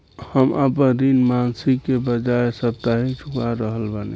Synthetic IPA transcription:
həmʔapənd̪inmansikːebəd͡ʒaesəb̚t̪aɦĩt͡ʃʰukaɾəɦəlbanḛ

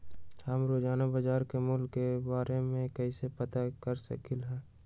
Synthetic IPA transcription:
həmɾoːd͡ʒaːnabəd͡ʒaːɾkemʊlkːebaːɾemẽkɛisepɐt̪akəɾsɐ̰kɪlɦɛ̃ː

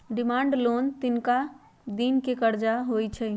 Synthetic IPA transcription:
ɖɪmaːɳɖloːnt̪ɪnka | d̪inkekəɾd͡ʒaɦojt͡ʃʰɛ

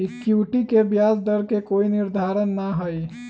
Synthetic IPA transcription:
ikuwʈikebjaːzd̪əɾkekoːinɪɾd̪ʱaɾənːaɦəi

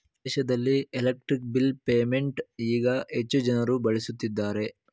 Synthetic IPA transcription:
ɛːʃɐd̪ɐlːielɐk̚ʈɾik̚bilpeːme̞ɳʈiːɡɐet͡ʃːud͡ʒɐnɐɾubɐɭisut̪ːid̪ːaːɾe̞

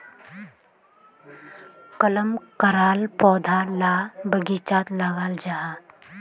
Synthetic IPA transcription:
kələmkəɾaːlpɔːd̪ʱalaːbəɡit͡ʃaːt̪laɡaːld͡ʒaɦa

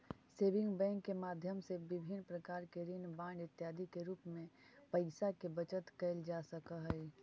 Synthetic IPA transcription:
seːbɪ̃ŋɡbɛ̃ːŋkːemaːd̪ʱjəmsebɪbʱɪnːpɾəkaːɾkeɾinbãːɳɖɪt̪jaːd̪ʱikeɾuːpmẽpəɪsakebət͡ʃət̪kəɪld͡ʒasəkəɦəi

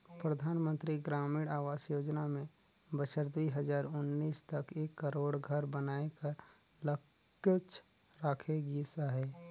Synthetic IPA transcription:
pɾəd̪ʱaːnmə̃nt̪ɾiɡɾaːmɪɽaːʋaːsjoːd͡ʒnamẽ | bəʃəɾd̪uiɦəd͡ʒaːɾʊnːiːst̪ɐkeːkːəɾoːɽɡʱəɾbənaːekəɾ | lə | ət͡ʃ | ɾaːkʰeɡisaɦɛː

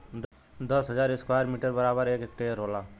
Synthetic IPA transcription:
d̪ | d̪əsɦəd͡ʒaːɾɪskwaːɾmiːʈəɾbəɾaːbəɾeːkek̚ʈeɾoːlaː

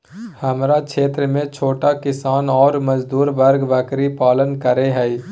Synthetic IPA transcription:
hɐmɾakʰeːt̪ɾəmẽt͡ʃʰoːʈakɪsaːnɔːɾməd͡ʒd̪uːɾbəɾɡʋəkɾipaːlənkəɾeɦɛ

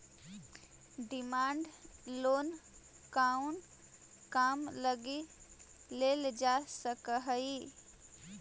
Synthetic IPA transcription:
ɖɪmaːɳɖloːn | kaun | kaːmləɡi | leld͡ʒasəkəɦəi

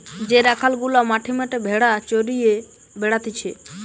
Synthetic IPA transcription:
d͡ʑeɾakʰalɡulamaʈʰimaʈebʱeɽat͡ɕoɾije | beɽat̪it͡ɕʰe

